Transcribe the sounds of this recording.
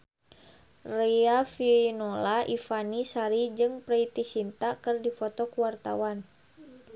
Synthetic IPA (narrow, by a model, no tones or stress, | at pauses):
reafinolaʔifanisaɾid͡ʒɨŋpɾɛit̪isint̪akɨrdifɔt̪ɔkuwart̪a̰wan